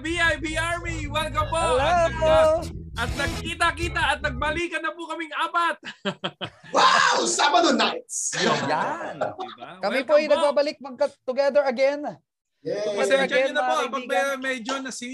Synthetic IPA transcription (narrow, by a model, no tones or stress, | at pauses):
biajbiaɹmiwɛlkɐpolapoʔɐt̪̚nɐɡ̚kiːt̪akiːt̪aʔɐt̪̚nɐɡ̚bɐliːkɐnɐpokɐmɪŋʔaːpat̪̚ | wawsabɐd̪onajt̪sjojankɐmɪpoʔɐjnɐɡ̚baːbɐlɪk̚mɐŋkɐt̪ːʊɡɛd̪əɹɐɡɛn | ɛpɐsɛnʃɐʊnɐpoŋpɐbɛːɾɛmɛjd͡ʒonɐsi